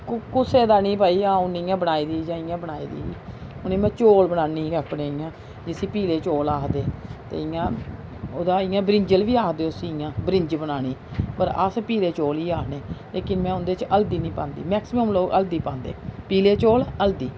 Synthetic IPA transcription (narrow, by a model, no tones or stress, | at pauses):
kkʊseːd̪aːnĩːpaːiːãːʊnɪːjãːbənaːiːd̪iːd͡ʒãːɪ̃jãːbənaːḭːd̪ḭːʊnẽːmɛ̃ːt͡ʃoːlbəɽaːniːəpɳeːɪ̃ːãː | d͡ʒɪsiːpiːleːt͡ʃoːlaːkd̪eːt̪ḛːɪjãː | oːd̪aːɪ̃jãːbɾɪɲd͡ʒəlʋiːaːkd̪eːoʊsiːɪjãːbɾɪɲd͡ʒbənaːñiːpəɾə̰spiːleːt͡ʃoːliːaːkʰneːleːkɪnmɛ̃ːʊnd̪eːt͡ʃəld̪iːnĩːpã̰ːnd̪ḭːmɛːksɪməmloːɡəld̪iːpãːnd̪ḛːpiːleːt͡ʃoːləld̪iː